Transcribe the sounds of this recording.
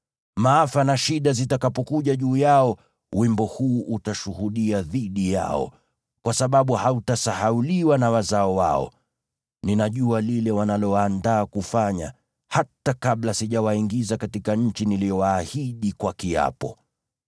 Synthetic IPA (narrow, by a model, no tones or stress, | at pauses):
maːfanaʃiɗazitakapɔkuʄaʄuːjaɔ | wimbɔhuːʔutaʃuhuɗiaðiɗija̰ɔ̰ | kwasaɓaɓuhautasahauliwanawazaɔwa̰ɔ̰ | ninaʄualilɛwanalɔwaːndaːkufaɲa | hatakaɓlasiʄawaiŋɡizakatikaɲ̩t͡ʃinilijɔwaːhiɗikwakia̰pɔ